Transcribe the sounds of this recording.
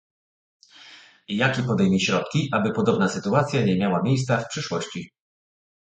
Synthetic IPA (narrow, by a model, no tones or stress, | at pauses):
jakʲɛpɔd̪ɛjmʲiɕɾɔt̪̚kʲiʔabɘpɔd̪ɔbnasɘt̪uat̪sʲjaɲɛmʲjawamʲjejst̪safpʂɘʂwɔɕt͡ɕi